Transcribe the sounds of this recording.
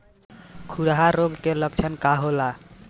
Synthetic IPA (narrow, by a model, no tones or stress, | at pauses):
kʰuɽaɦaɾoɡkelɔkt͡ʃʰankaɦola